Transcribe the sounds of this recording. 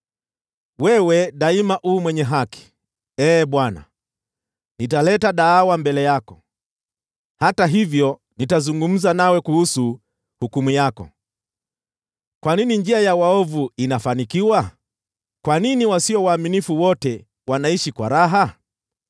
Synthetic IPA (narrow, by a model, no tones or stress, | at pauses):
wɛwɛɗaimaʔuːmwɛɲɛɦaki̥ | ɛːɓwana̰ | nitalɛtaɗaːwambɛlɛjakɔ̥ | hataɦivjɔ | nitazuŋɡum̩zanawɛkuhusu | hukumujakɔ̰ | kwaninind͡ʒiajawaɔvuinafanikiwa | kwaniniwasiɔwaːminifuwɔtɛ | wanaiʃikwaɾaɦa